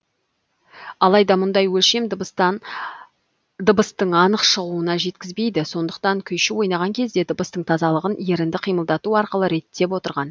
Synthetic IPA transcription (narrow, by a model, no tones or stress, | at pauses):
ɑlˠɑjd̪ɑmʊnd̪ɑjwɵlʃe̞m | d̪əbəst̪əɴɑnəqʃəʁəuənɑʒe̞t̪̚kʲɪzbe̞jd̪ɪso̞nd̪əq̚t̪ɑŋkʲʰʏjʃɪwo̞jnɑʁɑŋkʲʰe̞zd̪e̞d̪əbəst̪əɴt̪ʰɑzɑlˠəʁənje̞ɾɪnd̪ɪqʰijməlˠd̪ɑt̪uɑɾqəlˠəɾe̞t̪ːe̞pwo̞t̪əɾʁɑn